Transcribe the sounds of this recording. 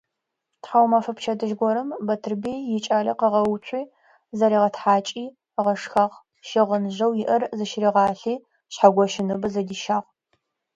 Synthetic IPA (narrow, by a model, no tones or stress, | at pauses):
tħawmɐfɐpt͡ʃʰɐdɨʒɡʷɔɾɨmbɐtʰɨrbiːjɪt͡ʃʼaːɮɐ̰qəʁɐwt͡ɕʷʰʼiː | zɐɾiːʁɐtħaːt͡ʃʼiː | ʁɐʂxɐʁ | ʃɪʁənʑɐwjɪʔɐrzɨʃɪriʁɑːɬiː | ɕħaɡʷɔʃɪnɨbɨzɐdiːʃaːʁ